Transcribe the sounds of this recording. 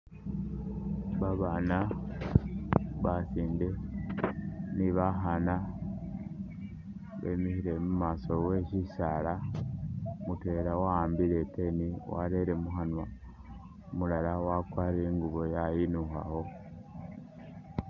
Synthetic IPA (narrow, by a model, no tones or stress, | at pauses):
βaβana | βasiːnde | niβaɦana | βḛmihiɾemumaːsowe̞ʃisala | mutweɾawaaːmbiɾeteniwa̰ɾe̞ɾe̞muxanwa | mulalawakwaːɾeŋɡuβo̞jajinuxa̰ho̞